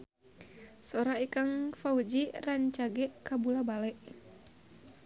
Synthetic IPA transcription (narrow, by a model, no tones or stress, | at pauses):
soɾaikaŋfaud͡ʒiraɲt͡ʃaɡɛʔkabulabalɛʔ